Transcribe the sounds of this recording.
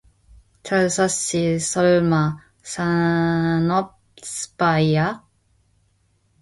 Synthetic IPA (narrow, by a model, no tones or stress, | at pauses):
t͡ɕʰaɭsaɕisʌɭma | sa | nɔp̚ | spaia